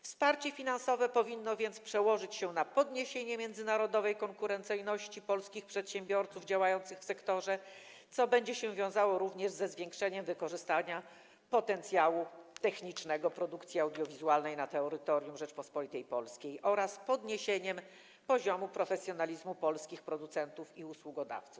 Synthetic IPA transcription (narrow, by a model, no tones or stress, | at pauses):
fspaɾt͡ɕɛfʲinansɔvɛpɔvʲinːɔvʲjɛnt̪spʂɛwɔʐɘt͡ɕɕɛnapɔd̪ɲeɕeɲɛmʲjɛnd̪zɘnaɾɔd̪ɔvɛjkɔŋkuɾɛnt̪sɘjnɔɕt͡ɕipɔlskʲixpʂɛt̪ɕɛ̃mbʲjɔɾt̪suvd͡ʑawajɔnt̪sɘxfsɛkt̪ɔʐɛ | t̪sɔbɛɲd͡ʑɛɕɛvʲjɔ̃w̃zawɔɾuvɲɛʐzɛzvʲjeŋkʂɛɲɛmvɘkɔʐɘst̪aɲa | pɔt̪ɛnt̪sʲjawut̪ɛxɲit͡ʂnɛɡɔpɾɔd̪ukt̪sʲjiawd̪jɔvʲizualnɛjnat̪ɛɔɾɘt̪ɔɾʲjumʐɛt͡ʂpɔspɔlʲit̪ɛjpɔlskʲejʔɔɾaspɔd̪ɲeɕeɲɛm | pɔʑɔmupɾɔfɛsʲjɔnalʲizmupɔlskʲixpɾɔd̪ut̪sɛnt̪ufiuswuɡɔd̪a̰ft̪suf